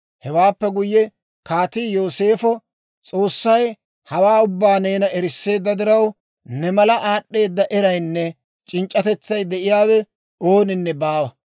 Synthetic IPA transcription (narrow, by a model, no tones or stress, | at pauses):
hɛwaːpːɛɡʊjːɛ | kaːt̪ijo̞ːse̞ːfɔ | t͡sʼo̞ːsːɐj | hɐwaːʊbːaːne̞ːnɐɛɾɪsːe̞ːd̪ːɐd̪ɪɾɐw | nɛmɐlɐʔaːɗːe̞ːd̪ːɐʔɛɾɐjnːɛ | t͡ʃʼɪnt͡ʃʼːɐt̪ɛt͡sːɐjd̪ɛʔɪjaːwɛ | o̞ːnɪnːɛbaːwɐ